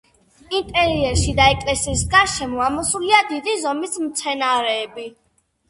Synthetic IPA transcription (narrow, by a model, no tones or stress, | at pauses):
int̪ʼɛɾiɛɾʃid̪aɛkʼlɛsiːsɡaʃɛmɔamɔsuliad̪id̪izɔmismt̪sʰɛnaɾɛːbi